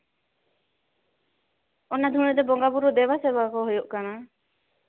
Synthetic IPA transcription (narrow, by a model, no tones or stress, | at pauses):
ɔnad̪ʱũɛd̪ɛbɔŋɡabuɾɔd̪ɛwasɛbakɔɦɔjɔʔkana